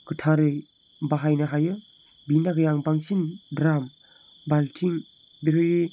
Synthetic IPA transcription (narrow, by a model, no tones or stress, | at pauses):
ɡɯtʰaɾɯj | baɦajnaɦajɯ | binaɡɯjaŋbaŋsinbɾam | baltʰiŋ | beɾɯji